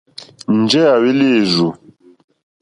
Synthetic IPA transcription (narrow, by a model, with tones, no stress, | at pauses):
n̩˨d͡ʒɛ˦a˨wi˦le˦˨zu˨